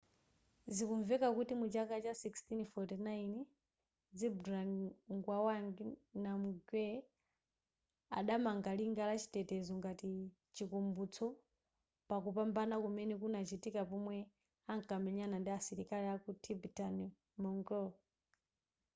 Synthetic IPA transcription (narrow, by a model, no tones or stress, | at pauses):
zikuɱvɛkakutimut͡ʃakat͡ʃasikstinfɔtinain | d͡zibɾanŋɡwawaŋɡinamuɡwɛ | a̰ɗamaŋɡaliŋɡalat͡ʃi̥tɛtɛzɔŋɡati | t͡ʃikumbut͡sʰɔ | pakupambanakumɛnɛkunat͡ʃitikapɔmwɛ | aŋkamɛɲanandiasiɾikaliakutʰibitani | mɔŋɡɔ